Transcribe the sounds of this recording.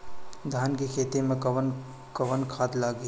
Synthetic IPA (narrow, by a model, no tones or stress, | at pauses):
d̪ʱaːnkekʰeːt̪emẽkɐwən | kɐʋənkʰaːd̪laːɡi